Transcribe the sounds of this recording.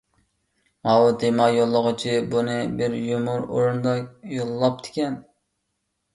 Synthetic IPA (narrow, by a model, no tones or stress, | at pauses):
mɑwt̪ʰemɑjolˠːəʁʊt͡ʃʰibunɨbɪɾjumuɾo̰ɾund̪ɑjolˠlˠɑp̚t̪ʰɪ̥kʲɛn